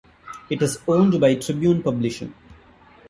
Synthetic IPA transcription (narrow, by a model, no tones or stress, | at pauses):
ɪʈɪzõːnɖbaɪʈɾɪbjũːnpɐblɪʃə̰̃n